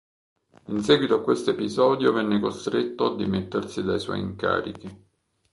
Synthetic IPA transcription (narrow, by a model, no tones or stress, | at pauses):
insɛːɡwit̪oakːwest̪oepizɔːd̪jovɛnːekost̪ɾet̪ːoad̪ːimet̪ːersid̪ajswɔ̰jḭŋka̰ːɾḭk̟i